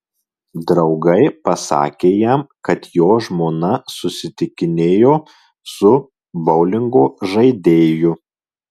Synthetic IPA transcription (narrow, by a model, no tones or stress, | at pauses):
d̪ɾɒʊɡɐɪpɐsɑ̰ːkʲeːjæmkɐt̪joːʒmoːnɐsʊsʲɪt̪ʲɪkʲɪnʲeːjoː | sʊ | bɒʊlʲɪŋɡoːʒɐɪd̪ʲeːjʊ